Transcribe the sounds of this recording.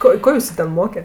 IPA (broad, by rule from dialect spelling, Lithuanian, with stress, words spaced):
ˈkoː ˈkoː ˈjʊsʊ tʲɛn ˈmoːkʲɛ